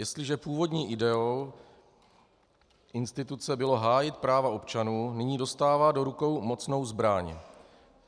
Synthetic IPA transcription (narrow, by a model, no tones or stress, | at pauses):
jɛst̪lɪʒɛpuːvo̞dɲiːʔɪdɛow | ʔɪnst̪ɪt̪ut͡sɛbɪlo̞ɦaːjɪt̪̚pɾaːvaʔo̞pt͡ʃanuːnɪɲiːdo̞st̪aːvaːdo̞ɾuko̞wmo̞t͡sno̞wzbɾaɲ